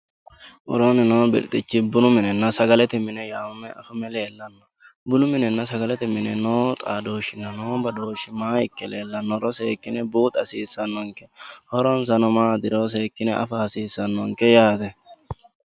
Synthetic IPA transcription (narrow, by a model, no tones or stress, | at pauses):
ʔɔ̰ɾonɪnoːbɪ̰lt̪ʼɪt͡ʃːɪbʊnʊmɪnɛnːɐsɐɡɐlɛt̪ɪmɪnɛjaːʊmɛɐ̰fʊmɛle̞ːlːɐnːɔ̥ | bʊnʊmɪnɛnːɐsɐɡɐlɛt̪ɪmɪnɛnoːt̪ʼaːd̪oːʃɪnːɐnoːbɐd̪oːʃɪmaːɪkːɛleːlːɐnːɔɾɔseːkːɪnɛbuːt̪ʼɐsiːsːɐnːɔŋkɛ̥hɔɾɔns̬ɐnɔmaːd̪ɪɾoːs̬eːkːɪnɛʔɐ̰fɐhɐsiːsːɐnːɔŋkɛjaːt̪ɛ